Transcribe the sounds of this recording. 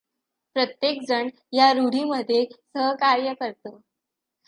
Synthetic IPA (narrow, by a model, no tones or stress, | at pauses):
pɾət̪jekd͡zəɳ | jaɾuɽ̤iməd̪ʱːjesəɦkaɾjəkəɾt̪o